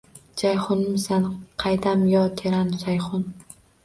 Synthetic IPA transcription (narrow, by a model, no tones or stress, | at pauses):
d͡ʒajχʊnɪmsanqʰɑjd̪amjɒt̪ʰeɾansajχʊn